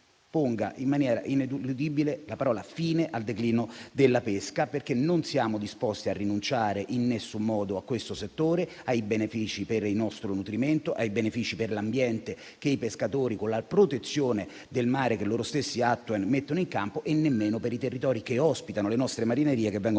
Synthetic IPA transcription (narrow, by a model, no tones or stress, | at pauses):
poŋɡaʔimːanjɛːɾa̰ʔined̪ulud̪ibilelapaɾɔːlafiːneʔald̪ekliːnod̪elːapeskaperk̟enonsjaːmod̪ispɔst̪iarːinunt͡ʃaːɾeʔinːesːumːɔːd̪oakːwest̪oset̪ːoːɾe | ajbenefiːt͡ʃiperilnɔst̪ɾonut̪ɾiment̪oʔajbenefiːt͡ʃiperlambjɛnt̪e | k̟eipeskat̪oːɾikonlapɾot̪et̪sːjoːne | d̪elmaːɾekelːoːɾost̪esːiat̪ːwenmet̪ːonoiŋkampoʔenːemːeːnopeɾit̪erːit̪ɔːɾikeɔspit̪anolenɔst̪ɾemaɾineɾiːekevːɛŋɡo